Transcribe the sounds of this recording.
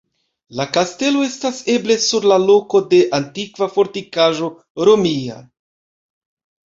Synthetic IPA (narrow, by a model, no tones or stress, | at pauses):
lakaste̞lo̞e̞stase̞ble̞suɾlalo̞ko̞de̞ʔantikvafo̞ɾtikaʒo̞ | ɾo̞mia̰